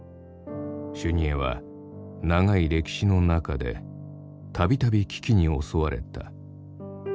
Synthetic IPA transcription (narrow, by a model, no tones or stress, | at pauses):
ɕɨɲ̟ieβa̰ | naŋaiɾe̞kʲi̥ɕino̞nakad̪e̞̰ | t̪ʰabʲit̪abʲikʲi̥kʲiɲ̟io̞so̞βaɾe̞̰t̪a̰